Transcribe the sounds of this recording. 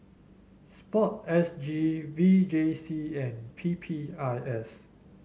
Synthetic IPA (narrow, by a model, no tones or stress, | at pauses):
spɔt̚ɛsd͡ʒivid͡ʒesiɛ̃npʰipʰiajɛs